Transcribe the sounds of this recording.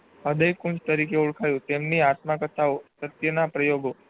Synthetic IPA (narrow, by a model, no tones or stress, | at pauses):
əd̪əjkʊɳt͡ʃt̪əɾikeuɭkʰajũt̪emniat̪makət̪ʰaosət̪jənapɾəjoɡo